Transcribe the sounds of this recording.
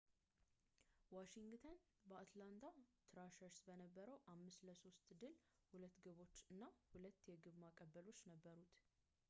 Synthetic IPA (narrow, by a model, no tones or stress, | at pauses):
waʃiŋɡt̪ʰən | bəat̪land̪ʰat̪ʰɾaʃəɾsbənəbːəɾəwʔamːɨsləso̞st̪d̪ɨl | hulət̪ːɡəβo̞t͡ʃːɨnːahulət̪ːjɛɡɨβmakʼəbːəlo̞t͡ʃːnəbːəɾut̪